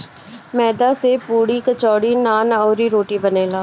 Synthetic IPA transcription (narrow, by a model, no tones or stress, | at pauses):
mɛːd̪aːsepuːɽiːkət͡ʃɔːɽiːnaːnɔːɾiːɾoːʈiːbəneːlaː